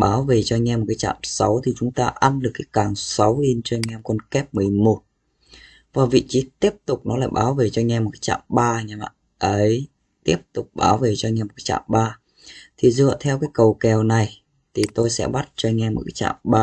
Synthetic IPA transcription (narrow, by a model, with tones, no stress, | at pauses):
ɓaː˨˦wve˨˩t͡ɕɔ˧ŋɛ˧mo˨˩kaː˨˦jt͡ɕa̰ː˧˨msa˨˦wt̪ʰi˨˩t͡ɕʊ˨˦ŋ͡mt̪aː˧ʔa˧nlɨ˨˩kːaː˨˦jkaː˨˩ŋsa˨˦wli˧nt͡ɕɔ˧ŋɛ˧mkɔ˧nkɛ˦˥p̚mɨ˨˩əjmo˨˩t̚ | vaː˨˩vḭ˧˨t͡ɕi˨˦t̪i˦˥əp̚t̪ʊ˨˩k͡p̚nɔ˨˦la̰ː˧˨jɓaː˨˦wve˨˩t͡ɕɔ˧ŋɛ˧mo˨˩t̚ka˨˦t͡ɕa̰ː˧˨mɓaː˧ɲɛ˧ma̰˧˨ | ʔə˨˦j | t̪i˦˥əp̚t̪ʊ˨˩k͡p̚ɓa̰ː˨˦wve˨˩t͡ɕɔ˧ŋɛ˧mo˨˩kaː˨˦t͡ɕa̰ː˧˨mɓaː˧ | t̪ʰi˨˩zɨ̰˧ə˨t̪ʰɛ˧wkaː˨˦jkə˨˩wkɛ˨˩wna˨˩j | t̪ʰi˨˩t̪o˧jsɛ̰˧˥ɓa˦˥t̚t͡ɕɔ˧ŋɛ˧mo̰˨˩t̚kaː˨˦t͡ɕa̰ː˧˨mɓaː˧